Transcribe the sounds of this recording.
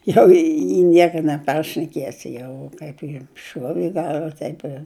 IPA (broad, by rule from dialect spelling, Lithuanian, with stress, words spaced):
ˈjɛʊ ɪ ˈnʲiɛkɐ nʲɛˈpɐrʲʃʲnʲɛkʲiɛsʲɪ ˈjɛʊ ˈkɐɪp jɛm ˈʃuɔʋʲɪ ɪ ˈɡɐlˠʋɐ ˈtɐɪp ɪr